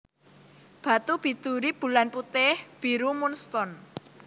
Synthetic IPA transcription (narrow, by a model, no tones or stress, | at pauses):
b̥ä̤t̪ub̥i̤d̪̥ṳɾib̥ṳlanput̪ɪhb̥iɾumunst̪ɔn